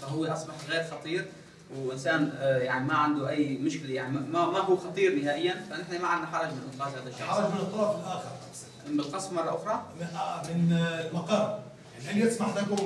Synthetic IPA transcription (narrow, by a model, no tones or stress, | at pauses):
faɦʊwːeʔɑsˤbɑħɣeːɾxɑt̪ˤiːɾ | wʔɪnsaːnjaʕnimaʕand̪uʔajːmʊʃkɪljaʕnimamamaɦuːxɑt̪ˤiːɾnɪɦaːʔɪjːanfanɪħnamaʕannːaħɑɾˤɑd͡ʒmɪnʔɪnqɑːd̪haːd̪aʃːaɑɾˤɑd͡ʒmɪnʔt̪ˤːɑlɑfɪlʔaːxɪɾ | bɪlqɑsˤfmɑrˤːɑʔʊxɾˤɑʔamɪnlmɑqɑːmjanhajːat̪smaħt̪aku